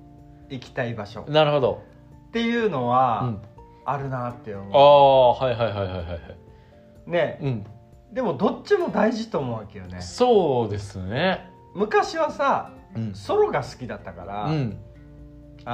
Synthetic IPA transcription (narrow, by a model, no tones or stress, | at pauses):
ikʲi̥t̪aibaɕo̞̰naɾɯ̟ho̞d̪o̞̰ | t̪ːe̞jɯ̟ːno̞βaɯ̃ː | ɾɯ̟nat̪ːe̞jomoahaiɦaiɦaijɦajɦahai | ne̞ɯ̟̃ɴɴ | d̪e̞mo̞d̪o̞t͡ɕːimo̞d̪aiʑit̪oːmoːβake̞jo̞ne̞̰so̞ːd̪e̞sɨne | mɯ̟kaɕiβasa | so̞ɾo̞ɡasɨ̥kʲid̪at̪ːakaɾaɯ̟̃